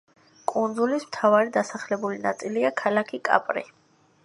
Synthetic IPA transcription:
kʼund̪zulismt̪ʰavaɾid̪asaχlɛbulinat̪sʼiliakʰalakʰikʼa̰pʼɾḭ

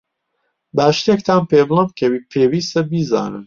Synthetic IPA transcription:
bæʃt̪ekt̪ʰaːnpeːblˠɐmbkʰɐwipʰeːwiːst̪ɐbiza̰ːnɨ̰m

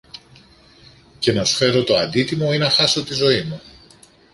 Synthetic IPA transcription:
ce̞nɐsu̥fe̞ɾo̞t̪o̞ɐnd̪it̪imo̞inɐxɐso̞t̪izo̞imu

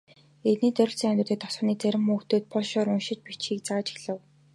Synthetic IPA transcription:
et̪niːt͡sœɾʲɪ̆ɬt͡siŋæmʲt̪ʊ̆t̪ĕːt̪ɔ̥sɔ̆ːniːt͡sæɾʲɪ̆mːuːkt̪oːt̪̚pɔɮʃɔːɾʊnʃɪ̆t͡ɕpit͡ɕxiːk̚t͡saːt͡ɕɪ̥xɮə̆w

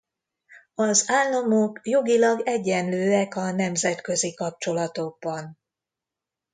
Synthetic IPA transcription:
ɒzaːlːɒmokjo̞ɡilɒɡɛɟːɛnløːɛkɒnɛmzɛt̪kø̞zikɒp̚t͡ʃo̞lɒt̪o̞ɡ̚bɒn

